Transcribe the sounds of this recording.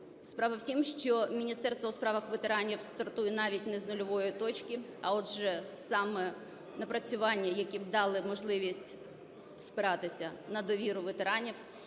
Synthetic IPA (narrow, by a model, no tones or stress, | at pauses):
spɾɑʋɐwtʲimʃt͡ʃɔmʲinʲist̪ɛrst̪ʋɔʊspɾɑʋɐxʋet̪eɾɑnʲiwst̪ɐrt̪ujɛnɑʋʲitʲnɛznɔlʲɔʋɔjit̪ɔt͡ʃkʲɪ | ɐ̰ɔdʒɛsɑmɛ | nɐpɾɐt͡sʲʊʋɑnʲːɐjɐkʲib̚d̪ɑlˠɪmɔʒlˠɪʋʲisʲtʲ | spɪɾɑt̪ɪsʲɐnɐd̪ɔʋʲiɾʊʋet̪eɾɑnʲiw